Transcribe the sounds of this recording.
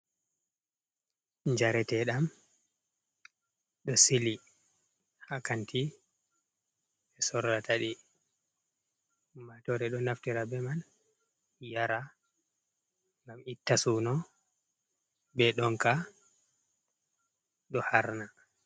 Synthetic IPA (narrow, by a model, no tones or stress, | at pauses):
ɲd͡ʒaɾɛtɛɗam | ɗɔsili | hakantʰi | ɛsɔɾdataɗi | matɔɾɛɗɔnaftiɾabɛman | jaɾa | ŋɡamitːasunɔ | bɛɗɔŋka | ɗɔhaɾna